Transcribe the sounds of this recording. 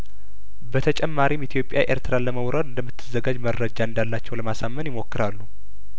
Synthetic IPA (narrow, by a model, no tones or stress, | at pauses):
bət̪ʰət͡ʃʼɛmːaɾimit̪ʰjo̞pʼja̰ʔeɾt̪ʰɨɾaləməwɾad̪ɨnd̪əmːɨt̪ʰːɨzːəɡad͡ʒmərːəd͡ʒaɨnd̪alːat͡ʃːɛwləmasamːənjɪmo̞kːɨɾalːu